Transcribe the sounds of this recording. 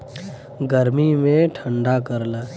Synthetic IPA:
ɡəɾmimẽʈʰə̃ɳɖakəɾla

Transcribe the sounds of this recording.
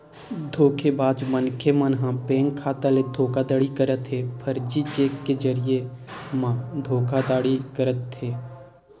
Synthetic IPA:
d̪ʱoːkʰebaːd͡ʒmənkʰemənɦãpẽːŋkʰaːt̪aled̪ʱoːkad̪əɽikəɾət̪ɦepʰəɾd͡ʒit͡ʃeːkːed͡ʒəɾijemãːd̪ʱoːkʰad̪aːɽikəɾət̪ːeː

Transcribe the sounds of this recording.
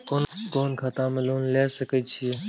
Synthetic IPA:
koːnkoːnkʰat̪ãːməluːnleːsəkəːt͡ʃʰiː

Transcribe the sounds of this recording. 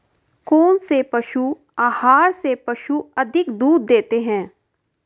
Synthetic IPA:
koːnsepəʃu | aːhaːɾsepəʃuəd̪ʱɪkd̪uːd̪ːeːt̪eɦɛ̃ː

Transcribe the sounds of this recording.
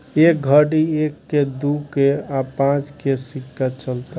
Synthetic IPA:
ek̚ɡʱəɽiekːed̪ukeapãt͡ʃkesikːat͡ʃəlt̪a

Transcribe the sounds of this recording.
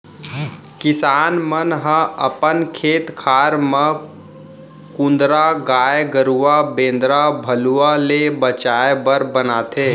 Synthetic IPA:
kɪsaːnmənɦə̃əpənkʰeːt̪kʰaɾmə | kũnd̪ɾaɡaeɡəɾuabẽnd̪ɾabʱəlualebət͡ʃaebəɾbənat̪ʰe

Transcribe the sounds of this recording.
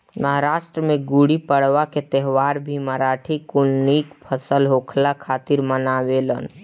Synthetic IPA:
məɦaɾaːʃʈɾəmẽɡuɽipəɽʋaket̪ɛɦʋaːɾbʱiməɾaːʈʰikʊlniːkpʰəsəlɦoːkʰlakʰaːt̪ɪɾmənaːwelən

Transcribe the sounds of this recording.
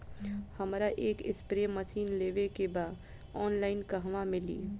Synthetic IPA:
həmɾaʔeːkɪ̰spɾeməsiːnleːʋekebaːd̪ | ɔːnlaɪnkəɦʋamɪlḭː

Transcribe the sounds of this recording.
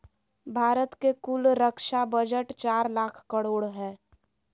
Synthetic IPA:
bʱaːɾət̪kekʊlɾəkʃabəd͡ʒəʈt͡ʃaːɾlaːkʰkəɽoːɽɦɛː

